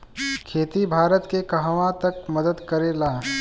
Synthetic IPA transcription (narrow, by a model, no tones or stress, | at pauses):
kʰeːt̪ibʱaːɾət̪kekɐɦʋãt̪ɐkməd̪əd̪kəɾelaː